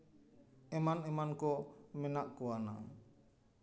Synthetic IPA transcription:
emanemankomenaʔkuana̰

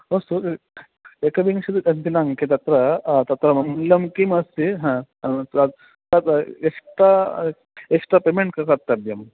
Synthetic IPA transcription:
ost̪u | ekɐbiŋɕud̪iɐnt̪inaŋket̪ɐt̪ɾɐt̪ɐt̪ɾɐmɐnlːɐmkimɐsiɦã | t̪at̪ekʂʈɾa | eksʈɾapemeɳʈ̚kakɐɾt̪ɐb̪jɐm

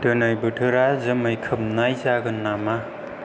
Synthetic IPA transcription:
dɯnajbɯtʰɯɾazɐmajkʰɯp̚najzaɡɯnːama

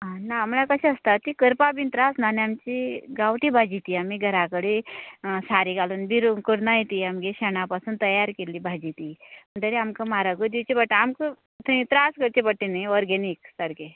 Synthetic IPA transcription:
anaːmlakəɕẽəst̪aikəɾpabint̪ɾasnaniamt͡ɕiɡawʈibʱad͡ʑit̪iamiɡʱəɾakəɽisaɾiɡaluːnbʱiɾukəɽnajit̪iamɡeɕəɳapasuːnt̪əjaɾkeliːbʱad͡ʑit̪iməɳt̪əɾeamkamaɾaɡəd̪it͡ɕebəʈːamkə | t̪ʰəĩt̪ɾaskəɾt͡ɕebəʈːinaʋɔɾɡeniksəɾke

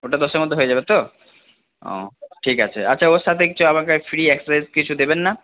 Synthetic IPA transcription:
oʈad̪ɔʃeɾmɔd̪ʱːeɦoed͡ʑabet̪o | ɔ̰̃ʈʰikat͡ɕʰḛat͡ɕːɕʰaoʃat̪ʰekit͡ɕʰuamakefɾiɛksasajzkit͡ɕʰud̪ebenːa

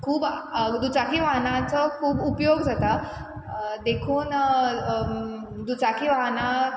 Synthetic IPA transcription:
kʰuːbd̪ut͡sakiʋaɦnat͡səkʰuːbupjoɡd͡zat̪a | d̪ekʰuːn | d̪ut͡sakʰiʋaɦna

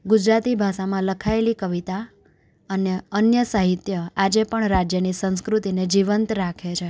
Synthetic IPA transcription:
ɡud͡ʒɾat̪ibʱaʃamãləkʰaelikəʋit̪a | əneənjəsaɦit̪jəad͡ʒepəɳɾad͡ʒjənisə̃nskɾut̪ined͡ʒiʋənt̪ɾakʰet͡ʃʰe

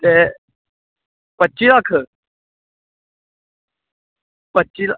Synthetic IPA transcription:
t̪e | pətːɕilakʰə | pətːɕila

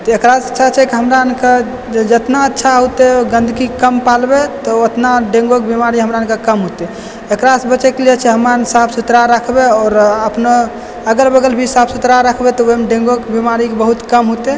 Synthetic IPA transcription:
t̪ɔekɾasət͡ʃʰat͡ʃʰɛkiɦəmɾaənke | d͡ʒət̪naətːʃʰaɦut̪eɡənd̪ʱkikəmpalbet̪ɔot̪naɖẽŋɡokbimaɾiɦəmɾaənkakəmɦot̪e | ekɾasbət͡ʃɛkeliet͡ʃʰɛɦəmansapʰsut̪ɾaɾəkʰbeɔːɾəpno | əɡəɾbəɡəlbʱisabsut̪ɾaɾəkʰbet̪ɔomeɖẽŋɡokbimaɾikebəɦut̪kəmɦut̪e

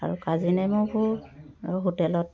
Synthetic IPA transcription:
a̰ɹukazinɛmʊbʊɹ | ɦotɛlɔt̚

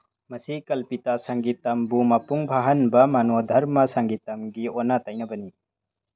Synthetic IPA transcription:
mɐsikɐlpitasaŋɡitɐmbumɐpuŋbʱaɦɐnbɐmanodʱɐɾmɐsaŋɡitɐmɡiɔnatajnɐbɐni

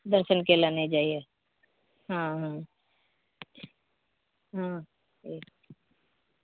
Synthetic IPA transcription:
d̪ɐɾʃənkelaned͡ʒaːie | ɦãɦã | ɦã | eːk

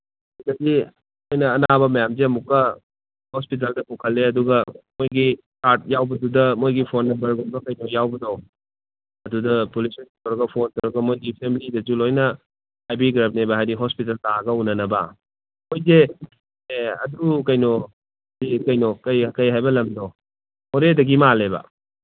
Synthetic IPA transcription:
adɐdi | mojnɐːnabɐmɐjamzeɐmukːɐ | hospit̬ɐldɐkukʰɐlːeɐduɡɐmojɡi | kaɾt̚jawbɐdudɐmojɡipʰonːɐmbɐɾɡɔnbɐkɐjnojawbɐdɐw | ɐdudɐpolisɔnitowɾɐɡɐpʰontowɾɐɡɐmojɡipʰemblidɐd͡ʒulojnɐ | hajbiɡɾap̚nebɐɦajɾiɦɔspitɐltaɡɐunɐnɐbɐ | mojze | ɐ̰dukɐjnɔ | ɾikɐjnɔkɐjkɐjɦajbɐlɐmdo | hoɾedɐɡimalebɐ̰

